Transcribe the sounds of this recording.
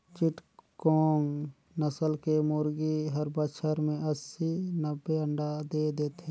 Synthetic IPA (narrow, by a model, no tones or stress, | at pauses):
t͡ʃɪʈkoːŋ | nəsəlkemʊɾɡiɦəɾbəʃʰəɾmẽəsinəbːeəɳɖad̪eːd̪eːt̪e